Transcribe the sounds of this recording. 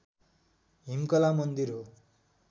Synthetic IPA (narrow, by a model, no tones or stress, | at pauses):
ɦimkʌlamʌnd̪iɾɦo